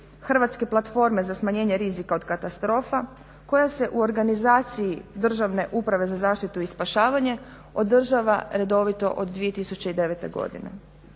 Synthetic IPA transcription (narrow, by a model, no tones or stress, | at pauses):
xr̩ʋat̪ske̞plˠat̪fo̞ɾme̞zasmaɲe̞ːɲe̞ɾizikaod̪kat̪ast̪ɾo̞ːfa | ko̞jase̞ʔuo̞ɾɡanizaːt̪sijid̪r̩ʒaʋne̞ʔupɾaʋe̞zazaːʃt̪it̪uiːspaʃaːʋaɲe̞ | o̞d̪r̩ʒaːʋaɾe̞d̪o̞ʋit̪o̞̰ʔod̪ːʋije̞t̪isut͡ɕe̞id̪e̞ʋet̪e̞̰ɡo̞̰d̪ḭnḛ